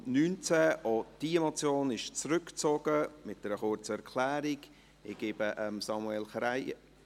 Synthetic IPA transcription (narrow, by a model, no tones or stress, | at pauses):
nyːnt͡sɛʔod̥iːəmot͡sjoːnɪʃt͡sɾʏkt͡sɔɡəmɪt̚d̥ɛɾəχʊɾt͡səɛɾkʰlæːɾiɡ | ɪɡ̥eːbəʔəmsɑmuɛlχɾaɪ